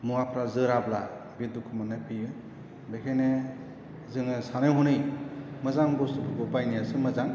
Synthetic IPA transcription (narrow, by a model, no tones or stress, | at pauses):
muapʰɾazɯɾabla | bidukʰɯmanapʰijɯ | bekʰejne | zɯŋɯsanɯjɦɔnɯjmɯzaŋbɔsɯbʰɯbɔpajnijasɯmɯzaŋ